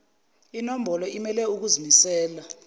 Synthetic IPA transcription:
inom̩bʱɔlɔimɛlɛuk̬uzimisɛːla

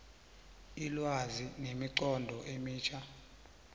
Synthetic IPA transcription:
ilwazinemiǀɔndʱɔʔemiːt͡ʃʰʼa

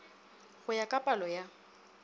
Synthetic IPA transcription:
ɣʊjakʼapʼalɔja

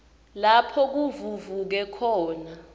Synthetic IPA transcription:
lapʰɔk̬uvuvuk̬ɛkʰɔːna

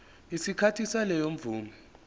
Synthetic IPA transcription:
isikʰatʰisalɛjom̩vuːmɛ

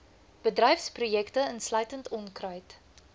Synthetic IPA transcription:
b̥ədrɛjfsprujɛktəənslœɥtəntɔnkrœɥt

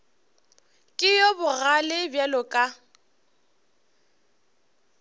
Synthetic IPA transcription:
kʼɪjɔbʊɣalɪbjalʊkʼa

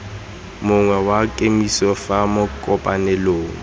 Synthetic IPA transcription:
mʊŋwɛwakʼemisɔfamʊkʼɔpʼanɛloːŋ̩

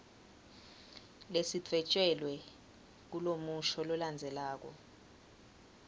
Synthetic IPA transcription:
lesiǀʰɛt͡ʃʼɛlwɛ | k̬ulomuʃʰɔlɔland͡zʱɛlaːk̬ɔ̰

